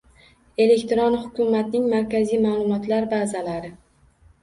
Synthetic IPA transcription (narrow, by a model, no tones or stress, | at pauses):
e̞le̞kʲt̪ɾonhʊkʲʰʊmat̪nɪŋmaɾkʲazijmalˠʊmɒt̪laɾbaːzalaɾɪ